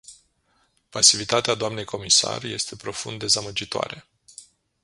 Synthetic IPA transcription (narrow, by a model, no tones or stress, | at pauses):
pasivit̪at̪ead̪oamne̞jkʰo̞misa̰rje̞st̪e̞pɾo̞fund̪ːe̞zaməd͡ʒit̪oa̰ɾe̞